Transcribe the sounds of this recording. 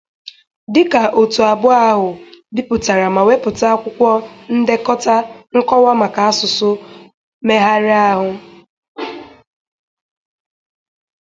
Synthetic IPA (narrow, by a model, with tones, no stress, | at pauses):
dɪ˦ka˨ʔo˨tu˨a˨bʊ˦a˦ɦʊ˨bi˦pʊ˨ta˨ɾa˨ma˨we˦pʊ˨ta˦a˦kʷʊ˦kʷɔ˦n̩˦de˦kɔ˦ta˦ŋ̩˦kɔ˦wa˦ma˨ka˨a˦sʊ˨sʊ˦ | me˦ɦa˦ɾɪ˦a˦ɦʊ˨